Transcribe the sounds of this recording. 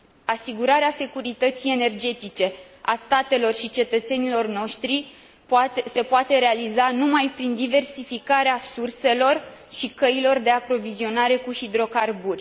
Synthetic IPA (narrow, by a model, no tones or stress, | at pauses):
asiɡuɾaɾease̞kuɾit̪ət̪sije̞ne̞rd͡ʒe̞t̪it͡ʃe̞ | a̰st̪at̪e̞lo̞rʃit͡ʃe̞t̪ət̪se̞nilo̞rno̞ʃt̪ɾi | se̞poat̪e̞ɾe̞alizanumajpɾind̪ive̞rsifikaɾeasurse̞lo̞rʃikəilo̞rd̪e̞apɾo̞vizio̞naɾe̞kuhid̪ɾo̞karburʲ